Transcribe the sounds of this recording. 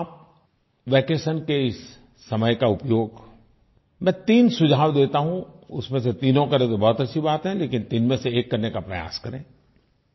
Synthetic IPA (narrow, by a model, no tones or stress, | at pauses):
aːp̚ | ʋɛːkeːsənkeɪsː | ɐməjkaʊpjoːɡ | mɛ̃ːt̪iːnsʊd͡ʒʱaːwd̪eːt̪aɦũʊsmẽset̪iːnõkɐɾẽt̪obɔɦʊt̪ɐtːʃʰibaːt̪ɦɛ̃leːkɪnt̪iːnmẽseːkːɐɾnekapɾɐja̰ːskɐɾḛ̃ː